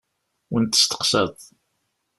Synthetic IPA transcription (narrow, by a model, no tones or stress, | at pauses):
wənt̪ːə̥st̪ə̥qsəðˤ